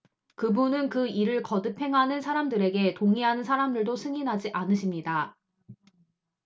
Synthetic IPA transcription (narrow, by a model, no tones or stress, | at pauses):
kɯbunɯnkɯiɾɯɭkʌdɯpʰe̞ŋɦanɯnsʰaɾamdɯɾe̞ɡe̞toŋiɦanɯnsʰaɾamdɯɭdosʰɯŋinɦad͡ʑiʔanɯɕʰimɲida